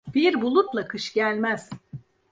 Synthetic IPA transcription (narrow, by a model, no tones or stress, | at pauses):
b̥iɾbulˠut̪lˠakʰɯʃɟælʲmæz̥